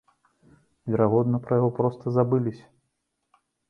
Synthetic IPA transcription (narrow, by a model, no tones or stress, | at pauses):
vʲɛɾaɣɔd̪nɐpɾɐjaɣɔpɾɔst̪ɐzabɨlʲisʲɐ